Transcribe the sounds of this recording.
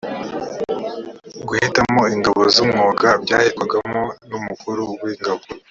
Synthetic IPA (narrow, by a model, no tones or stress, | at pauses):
ɡuhitamoiŋɡaβo̞zumŋoːɡabɟaːhekwaɡamonumukuɾuwiŋɡaβo